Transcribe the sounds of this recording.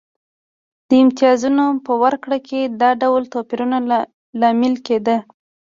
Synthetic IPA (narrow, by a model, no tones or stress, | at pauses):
d̪̥əɪmt̪ɪjɑzunopəwaɾkɽakʰed̪ɑɖawlt̪ɑpiɾuna | lɑmɪlked̪ə